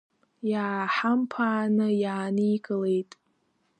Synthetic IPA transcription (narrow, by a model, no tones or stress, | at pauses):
jaːħampʰaːnɨjaːnijɡʼɨlejtʼ